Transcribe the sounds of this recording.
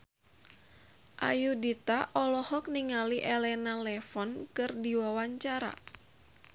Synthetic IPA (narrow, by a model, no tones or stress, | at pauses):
ʔa̰judit̪aʔɔlɔhɔk̚niŋaliʔɛlɛnalɛfɔnkɨrdiwawaɲt͡ʃaɾa̰